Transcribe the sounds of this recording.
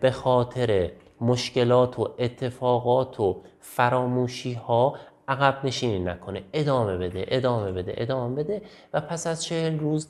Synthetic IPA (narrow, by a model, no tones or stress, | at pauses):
b̥e̞xɒːt̪ʰe̞ɾe | moʃce̞lɒːt̪ʰoet̪ʰːe̞fɒːɣɒːt̪ʰo | fæɾɒːmuːʃiːhɒːæɣæbne̞ʃiːninækʰo̞ne̞ed̪ɒːme̞be̞d̪ḛʔed̪ɒːme̞be̞d̪e̞̰ʔed̪ɒːmebe̞d̪e̞ | væpʰæsæzt͡ʃʰehelruːz